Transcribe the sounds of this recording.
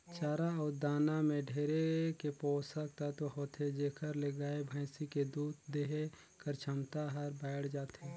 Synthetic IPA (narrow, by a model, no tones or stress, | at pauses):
t͡ʃaːɾaɔːɾd̪aːnamẽɖʱeːɾekepoːsək̚t̪at̪oɦoːt̪ʰed͡ʒeːkʰəɾleɡaːebʱɛ̃ːsiked̪uːd̪d̪eɦe | kəɾt͡ʃʰəmt̪aɦəɾbɛːɽd͡ʒaːt̪e